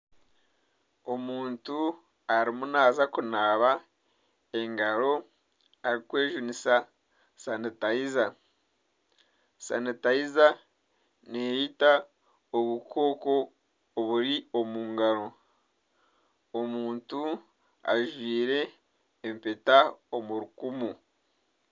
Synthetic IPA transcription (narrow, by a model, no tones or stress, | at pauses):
o̞muːntu | aɾimunaːzakunaːβa | e̞ŋɡaɾo̞ | aɾikwe̞ːʒunisa | sanitaiza | sa̰nitaiza | nejita | oβukʰo̞ːko̞ː | βuɾio̞muːŋɡaɾo̞ | omuːntu | a̰ʒwiːɾe̞ː | mpetaomuɾukumu